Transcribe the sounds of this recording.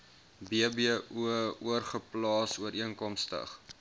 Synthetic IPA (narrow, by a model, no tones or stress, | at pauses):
biəbiəʔuəuərχəplɑːsuəɾiəŋkɔmstə̰χ